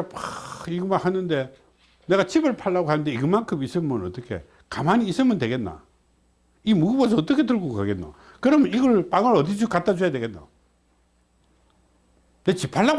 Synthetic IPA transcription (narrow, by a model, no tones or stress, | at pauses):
iɡɯmahanɯnde̞ | ne̞ɣat͡ɕibɯɭpʰaɭːaɡoɦanɯnde̞iɡɯmaŋkʰɯmis͈ɯmɯnʌt͈ʌkʰe̞̰ | kamaɲiːs͈ɯmʌndwe̞ɡe̞nːa̰ | imuɡubos̬ʌʌt̬͈ʌkʰe̞t̬ɯɭɡokaɡe̞nna̰ | kɯɾʌmniɡʌɭpaŋɯɾʌdid͡ʑukat͈ad͡ʑojade̞ɡe̞nːa̰ | net͡ɕipʰaɭːaɡ